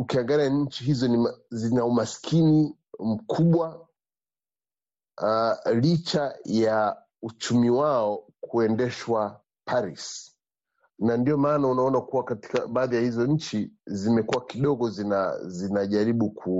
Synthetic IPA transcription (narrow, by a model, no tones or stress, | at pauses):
ukiaŋɡaliaɲ̩t͡ʃiɦizɔnizinaumaskʰini | m̩kʰuɓwa | lit͡ʃaja | ut͡ʃumiwaɔkʰuɛndɛʃwa | pʰaɾis | nandiɔmaːnaunaɔnakuwakati̥ka̰ɓaːðijahizɔɲ̩t͡ʃizimɛkuwakiɗɔɡɔzinazinaʄaɾiɓukʰu